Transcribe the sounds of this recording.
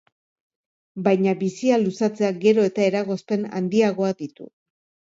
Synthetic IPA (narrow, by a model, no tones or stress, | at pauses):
bajɲaβisialusat͡se̞aɡe̞ɾo̞e̞t̪ae̞ɾaɣo̞spe̞na̰nd̪iaɣo̞aðit̪ṵ